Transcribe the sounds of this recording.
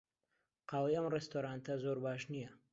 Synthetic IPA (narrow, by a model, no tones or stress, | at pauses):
qʰɑːlˠijɐmrest̪oɾant̪ʰɐzoɾbaːʃnijɐ